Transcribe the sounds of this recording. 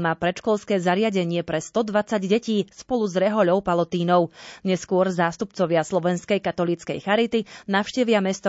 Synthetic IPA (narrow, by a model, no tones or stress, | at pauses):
maːpɾɛt͡ʃkɔlskɛːzaɾɪaɟɛɲɪɛpɾɛst̪ɔd̪ʋat͡saɟɟɛciːspɔluzɾɛɦɔʎɔʊpalɔt̪iːnɔʊɲɛskʊɔɾzaːst̪up̚t͡sɔʋɪaslɔʋɛnskɛjkat̪ɔliːt͡skɛ̰jxaɾit̪inaʊʃcɛʋɪamɛst̪ɔ